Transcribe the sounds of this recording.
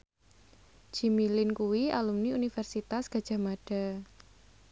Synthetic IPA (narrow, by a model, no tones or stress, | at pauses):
d͡ʒ̥imilɪnkuwia̰lumniunifɛrsit̪asɡ̥a̤d̥ʒ̥a̤maɖ̥a̤